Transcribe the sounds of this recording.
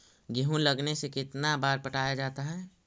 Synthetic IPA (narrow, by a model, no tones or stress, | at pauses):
ɡeɦũləɡnesekɪt̪nabaːɾpəʈaːjad͡ʒaːt̪aɦɛː